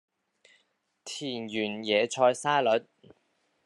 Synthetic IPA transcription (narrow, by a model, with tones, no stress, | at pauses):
t̪ʰiː˨˩njyː˨˩njɛː˨˧t͡ʃʰɔː˧jsaː˥lɵ˨˥t̚